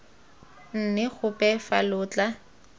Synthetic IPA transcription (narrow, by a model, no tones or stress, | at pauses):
n̩nɪɣʰʊpʼɛfalʊːt͡ɬʼa